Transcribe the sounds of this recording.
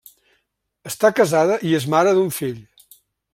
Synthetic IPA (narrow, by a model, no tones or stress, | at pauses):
əst̪akəzaðəʔiezmaɾəðuɱfiʎ